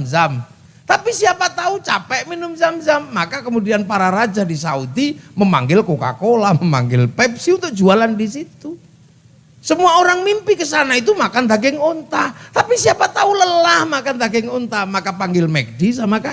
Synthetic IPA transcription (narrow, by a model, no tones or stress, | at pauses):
zam | t̪apisiapat̪aut͡ʃapɛʔminʊmzamzamːakakəmudianpaɾaɾad͡ʒadisaudiməma̰ŋɡɪlkoka̰kolaməma̰ŋɡɪlpɛpsiunt̪ʊk̚d͡ʒualandisit̪u | səmuaoɾaŋmimpikəsanait̪umakand̪aɡɪŋont̪at̪apisiapat̪auləlahmakand̪aɡɪŋont̪amakapaŋɡɪlmɛk̚dis̬amaka